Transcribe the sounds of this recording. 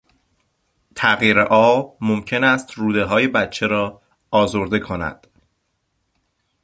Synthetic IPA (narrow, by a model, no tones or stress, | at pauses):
t̪ʰæɣjiːɾeʔɒːmomcʰe̞næːst̪ruːd̪e̞ɦɒːje̞bæt̪t͡ʃʰe̞ɾɒː | ʔɒːzoɾd̪e̞kʰonæ̰d̪̥